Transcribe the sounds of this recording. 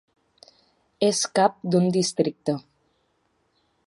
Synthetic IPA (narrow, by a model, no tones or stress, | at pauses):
eskap̚d̪und̪ist̪ɾik̚t̪ə